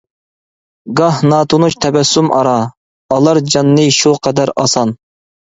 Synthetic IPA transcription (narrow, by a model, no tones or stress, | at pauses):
ɡɑhnɑːt̪ʰunut͡ʃt̪ʰɛbɛsumʔɑɾɑ | ɑlˠɑɾd͡ʒɑnːɨʃuqʰɛd̪æɾɑ̰sɑn